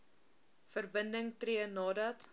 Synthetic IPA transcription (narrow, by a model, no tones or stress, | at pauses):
fərbəndəŋtriənɑːdɐt